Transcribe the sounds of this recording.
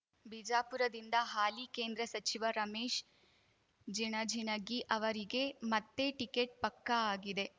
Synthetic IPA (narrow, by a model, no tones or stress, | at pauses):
bid͡ʒaːpuɾɐd̪ind̪ɐɦaːlikeːnd̪ɾɐsɐt͡ʃiʋɐɾɐmeːʃ | d͡ʒiɳɐd͡ʒʱinɐɡiʔɐʋɐɾiɡe̞mɐt̪ːe̞ʈikeʈ̚pɐkːɐaːɡid̪e̞